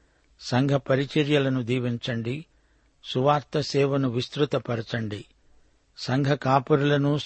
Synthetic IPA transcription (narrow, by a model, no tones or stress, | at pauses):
sɐŋɡʱɐpɐɾit͡ʃɐɾjɐlɐnud̪iːʋiɲt͡ʃɐɳɖi | suʋaːɾt̪ɐsɛːʋɐnuʋist̪ɾut̪ɐpɐɾɐt͡ʃɐɳɖi | sɐŋɡʱɐkaːpɐɾulɐnu